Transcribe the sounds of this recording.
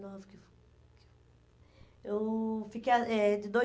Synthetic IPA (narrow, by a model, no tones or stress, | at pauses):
novʊkɪ | ke | ewfikejɐɛd̪ɪd̪o